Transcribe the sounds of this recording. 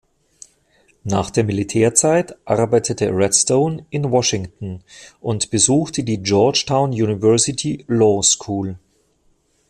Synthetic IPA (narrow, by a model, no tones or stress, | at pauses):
naːχd̥eːɐmilitʰɛːɐt͡saɪtʔaʁbaɪtʰətʰəʁɛtstoʊnʔɪnwɔʃɪŋtn̩ʔʊntb̥əzuːxtʰədiːd͡ʒɔɐt͡ʃtʰaʊnjuːnivɛɐsɪtʰilɔːskʰuːl